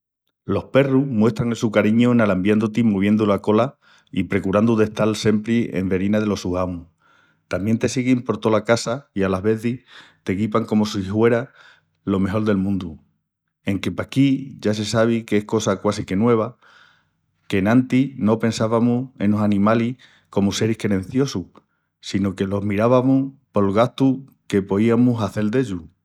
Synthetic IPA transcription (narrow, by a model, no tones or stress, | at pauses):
lo̞hpe̞ruhmwe̞ht̪ɾaŋle̞sukaɾiɲunalambjand̪ut̪imuβ̞je̞nd̪ulako̞la | ipɾe̞kuɾand̪uðe̞ht̪alse̞mpɾiḛmbe̞ɾinaðe̞lo̞suhamu | t̪ambje̞nt̪e̞siɣimpo̞ɾt̪o̞lakasaialaɦβe̞θiht̪e̞kipaŋko̞mo̞sihwe̞ɾa | lo̞me̞ɦo̞ld̪e̞lmũnd̪u | e̞ŋke̞pakiʝas̬e̞saβ̞ikeehko̞sakwasike̞nwe̞β̞a | ke̞nãnt̪ino̞pe̞nsaβamue̞̰nosanĩmalih | ko̞muse̞ɾihkɾeɾẽ̞n̟θjo̞su | sinoke̞lo̞ɦmiɾaβamuhpo̞lɣaht̪uke̞po̞iamusaθe̞ld̪e̞ʎu